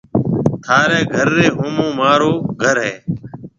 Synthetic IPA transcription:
t̪ʰaːɾeːɡʱəɾːeːɦoːmõːmaːɾoːɡʱəɾɦeː

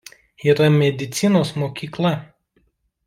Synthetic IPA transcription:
iɾɐmʲɛd̪ʲɪt̪sʲɪnoːsmoːkʲiːklˠɐ

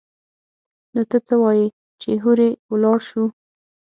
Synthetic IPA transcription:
not̪ət͡səwɑji | t͡ʃeɦuɾewlɑɽʃu

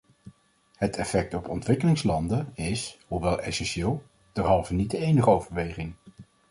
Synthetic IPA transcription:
hətʰɛfɛk̚tɔpɔntʋɪkəlɪŋslɑndəɪshuʋɛlˠɛ̰sɛnʃɪːlˠ | d̥ɛɹɦɑlˠvənidəejnəχəowvəɹʋejχɪŋ

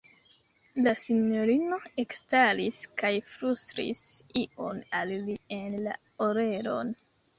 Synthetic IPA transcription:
lasiɲo̞ɾino̞e̞kstaliskajfɾustɾḭsiʔo̞̰nallie̞nla̰ | oɾeɾo̞̰n

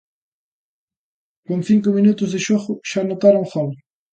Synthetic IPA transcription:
koŋθiŋkʊminut̪ʊzðɪʃoɣʊʃanot̪aɾoŋxɔl

